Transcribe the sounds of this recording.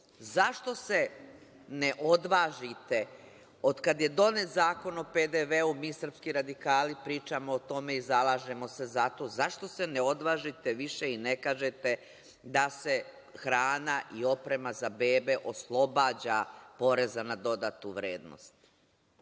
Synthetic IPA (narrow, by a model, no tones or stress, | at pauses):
zaʃt̪o̞se | neʔo̞d̪ʋaːʒit̪e | o̞d̪kad̪je̞d̪o̞net̪zaːko̞no̞ped̪eʋeumiːsr̩pskiɾad̪ikaːlipɾiːt͡ʃamoːt̪o̞me̞izalˠaːʒe̞mo̞se̞zat̪o̞zaʃt̪o̞se̞neo̞d̪ʋaːʒit̪eʋiʃe̞inekaːʒet̪e̞ | d̪ase̞ | xɾaːnaʔio̞pɾe̞mazabeːbe̞ʔo̞slˠo̞baːd͡ʑapo̞ɾe̞zanad̪o̞d̪aːt̪uʋɾeːd̪no̰st̪